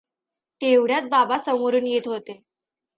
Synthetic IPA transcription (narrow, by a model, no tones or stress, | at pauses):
t̪eʋɽjat̪̚babasəmoɾuːnjet̪ɦot̪e